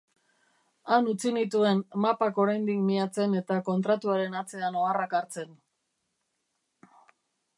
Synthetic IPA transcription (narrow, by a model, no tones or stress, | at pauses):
anut͡sinit̪ue̞nmapako̞ɾajnd̪ikmiat͡se̞ne̞t̪ako̞nt̪ɾat̪uaɾe̞nat͡se̞ano̞arakaɾt͡se̞n